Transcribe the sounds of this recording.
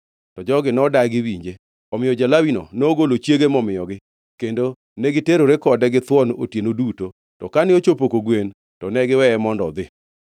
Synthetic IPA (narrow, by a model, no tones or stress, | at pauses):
tɔd͡ʒɔɡɪnɔdaɡɪwiɲd͡ʒe | ɔmɪjɔd͡ʒalawino̰nɔoɡolot͡ʃjeɡemɔmɪjɔɡɪ | kendo | nɛɡɪteɾoɾekɔdɛɡɪt̪wɔno̰tjenoduto | tɔkanɪot͡ʃopokoɡwen | tɔnɛɡɪwɛɛmɔndɔ̰d̪ɪ